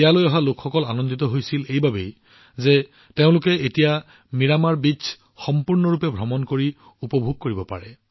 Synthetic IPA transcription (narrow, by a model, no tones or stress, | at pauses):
ɛjalojɔɦalokxɔkɔlanɔndit̪ɔɦojsilejbabej | zɛ | teʊ̃lʊkɛetija | miɹamaɹbisʰ | xɔmpuɹnɔɹupɛbʱɹɔmɔnkoɹi | upɔbʱuɡ̚koɹibɔpa̰ɹɛ